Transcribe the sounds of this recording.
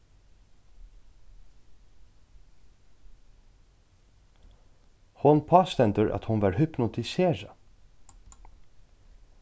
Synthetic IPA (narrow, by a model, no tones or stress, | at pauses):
hʊnpʰɑːst̪ɛnt̪əɹʔɑ̰t̪hʊnʋɑːɹhʏpnʊt̪ʰɪseːɹɑ